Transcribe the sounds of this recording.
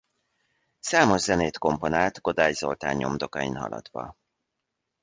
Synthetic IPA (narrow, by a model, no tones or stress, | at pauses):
saːmo̞ʒzɛneːt̪ko̞mpo̞naːt̪ɡo̞d̪aːjzo̞lt̪a̰ːɲːo̞md̪o̞kɒjḭnɦɒ̰lɒ̰d̪̥ʋɒ